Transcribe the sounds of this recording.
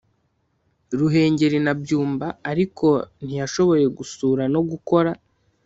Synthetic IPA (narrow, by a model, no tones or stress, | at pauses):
ɾuɦe̞ːɲɟe̞ɾinabɟuːmbaːɾikʰo̞n̥ijaʃo̞βo̞je̞ɡusuːɾano̞ɡuko̞ɾa